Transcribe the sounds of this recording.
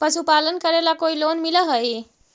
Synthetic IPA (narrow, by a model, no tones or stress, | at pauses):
pəsupalənkəɾelakoilonmiləɦəj